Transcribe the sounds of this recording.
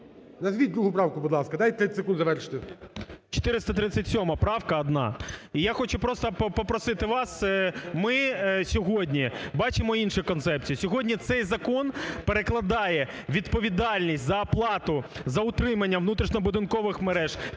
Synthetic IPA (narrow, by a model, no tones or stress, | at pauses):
nɐzʲʋʲid̪ɾuɦʊpɾɑwkʊbʊd̪lˠɑskɐd̪ajt̪ɾɪsɪkund̪zɐʋɛɾʃɪ̥t̪ɪt͡ʃɔ̥t̪ɪɾɪst̪ɐt̪ɾɪsʲɐtʲsʲɔmɐpɾɑwkɐːd̪nɑ̰ijaxɔt͡ʃʊpɾɔst̪ɐpɔpɔpɾɔsɪt̪ɪʋɑsmɪsʲɔɦɔdʲnʲibɑt͡ʃɪmɔinʃʊkɔnt̪sɛp̚t͡sʲijisʲɔɦɔdʲnʲit̪sɛjzɐkɔnpeɾeklˠɐd̪ɑjɛ | ʋʲid̪pɔʋʲid̪ɑlʲnʲisʲtʲzɐɐplˠɑt̪ʊzɐʊt̪ɾɪmɐnʲːɐʋnut̪ɾʲiʃnɔbʊd̪ɪnkɔʋɪxmeɾɛʒ̥